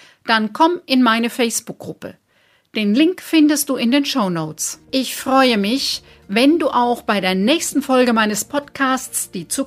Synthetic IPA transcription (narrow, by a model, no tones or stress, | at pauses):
d̥ankʰɔmʔɪnmaɪnəfɛɪsb̥ʊk̚ɡʁʊpə̰ | d̥eːnlɪŋkfɪndəst̚d̥uːɪndeːnʃoʊnoʊt͡sʔɪçfʁ̥ɔʏəmɪç | vɛnduːʔaʊxb̥aɪɾeːɐnɛːçstn̩fɔlɡəmaɪnəspʰɔtkʰaːstt͡sd̥iːt͡su